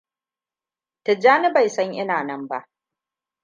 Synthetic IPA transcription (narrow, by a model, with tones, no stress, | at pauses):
tɪ˨d͡ʒaː˦ni˦ba˨jsɐ˦ɲʔɪ˦naː˨nɐ˦mba̰˦˨ʔ